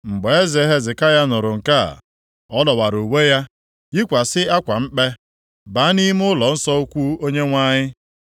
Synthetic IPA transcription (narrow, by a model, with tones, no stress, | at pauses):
ŋ͡m̩˨ɡ͡be˨e˦ze˨˦ɦe˦zɪ˨ka˦ja˦nʊ˨ɾʊ˨ŋ̩˨ka̰˦˨ | ɔ˦lɔ˨wa˨ɾu˨we˦ja˦ | ji˦kʷa˨sɪ˦a˦kʷa˨m̩˦k͡pe˦ | ba˨˦ni˦m˦ʊ˦lɔ˨n̩˦sɔ˦u˦kʷu˦o˦ɲe˦ŋʷa˦ɲɪ˦